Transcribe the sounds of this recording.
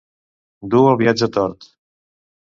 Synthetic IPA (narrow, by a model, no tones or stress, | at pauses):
d̪uəlˠβiad͡ʒət̪ɔɾt̪